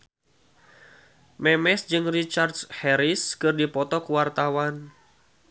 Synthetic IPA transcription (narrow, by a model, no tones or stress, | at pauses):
mɛmɛsd͡ʒɨŋrit͡ʃardshɛɾiskɨrdipɔt̪ɔkuwart̪awan